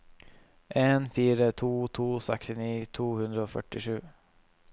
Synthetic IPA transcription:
ʔenfiːɾət̪ʰuːt̪ʰuːsɛkst̪ɪniːt̪ʰuːhɵnd̪ɾaɔfœ̰ʈːɪʂʉ̟ː

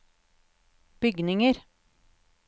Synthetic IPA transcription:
b̥ʏɡnɪŋəɾ

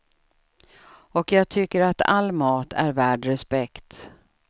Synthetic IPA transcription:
ɔkjɑːɡ̚t̪ʰʏkːəɾat̪ʰa̰lːmɑːt̪ʰæ̰ɾvæːɖɾɛspɛkt̪

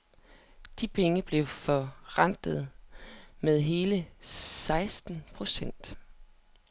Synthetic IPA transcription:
d̥ipʰeŋəb̥le̝ʊfɒʁan̰d̥ð̞̩ˠ | meðˠɦe̝ːləsɑ̈ɪsd̥n̩pʰʁo̝sen̰d̥

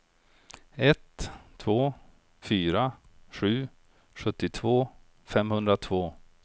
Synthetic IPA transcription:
ɛt̪ʰːvoː | fyːɾaɧʉ̟ː | ɧɵt̪ːɪt̪ʰvoː | fɛmhɵnd̪ɾat̪ʰvoː

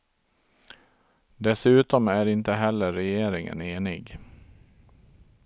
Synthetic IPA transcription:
d̪ɛsʉ̟ːt̪ɔmæɾɪnt̪əɦɛlːəːɛjeːɾɪŋə̰neːnɪɡ

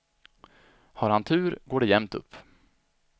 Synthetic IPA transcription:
haɾhant̪ʰʉ̟ːɾɡoːɖɛjɛmt̪ɵ̰pː

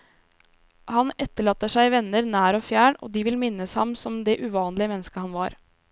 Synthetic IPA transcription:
hɑnɛt̪ːəɭɑːt̪ːəʂæɪʋɛnːəɾnæːɾoːfjæːɳo̰ːd̪iːʋɪlmɪnːəshɑmsɔmd̪ɛʔʉʋɑːnlɪəmɛnːəskəhɑnʋɑːɾ

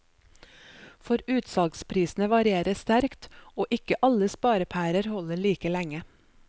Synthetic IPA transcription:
fɔɾʉːt̪sɑːɡspʰɾiːsn̩əʋɑɾɪeːɾəst̪æɾkt̪oːʔɪkəʔɑləspɑːɾəpʰæːɾəɾhɔləɭiːkəlæŋə

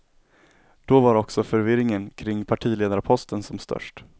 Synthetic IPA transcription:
d̪̥ɔvaɾɔksɔfœɾvɪɾɪŋənkʰɾɪŋːpʰaʈʰiːleːd̪aɾpʰɔst̪ənsɔmst̪ʰœ̰ʂʈ

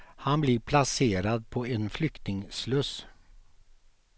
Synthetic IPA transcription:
hanblɪɾpʰlaseːɾad̪̚pʰɔɛnflʏkt̪nɪŋslɵs

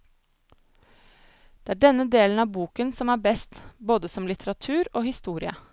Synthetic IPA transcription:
d̪̥ɛːæːɖɛnːəd̪eːlən̩ɑʋbuːkənsɔmæːbɛst̪boːd̪əsɔmlɪt̪ʰəɾɑt̪ʰʉːɾoːhɪst̪uːɾɪə̰

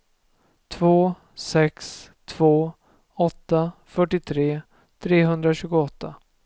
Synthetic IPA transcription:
t̪ʰvoː | sɛkst̪ʰv̥oː | ɔt̪ːafœʈːɪt̪ʰɾeː | t̪ʰɾeːɦɵnd̪ɾaɕʉ̟ːɡʊɔt̪ːa̰

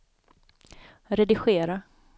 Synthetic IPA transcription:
ɾɛd̪ɪɧeːɾa

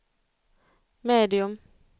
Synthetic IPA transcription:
meːd̪ɪɵm

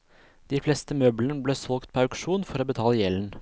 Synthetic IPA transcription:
d̪̥iːflɛst̪əmøːblənəbleːsɔlɡt̪̚pʰoːɑʉkʂuːnfɔɾoːbət̪ʰɑːləjɛln̩

